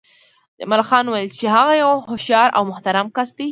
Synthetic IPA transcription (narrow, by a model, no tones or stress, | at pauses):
d̪ə̰malxɑnwajlt͡ʃeɦaɣajawhʊʃjɑɾa̰wmʊht̪aɾamkasd̪i